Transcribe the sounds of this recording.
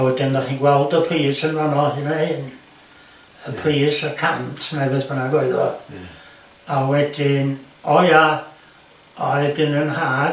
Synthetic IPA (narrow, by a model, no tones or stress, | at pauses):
awɛdɪnnaχiːnɡwɛlˠdəpʰriːsənvanɔhɪnahɪn | əpʰriːsəkʰa̰ntʰnɛvɨðbənaɡoɨðɔ̰ | awɛdɪn | ɔja | ɔdɪnənhaː